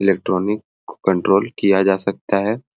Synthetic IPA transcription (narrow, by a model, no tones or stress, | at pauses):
ɪleːk̚ʈɾɔːnɪk | kə̃ɳʈɾoːlkijad͡ʒaːsɐk̚t̪aɦɛː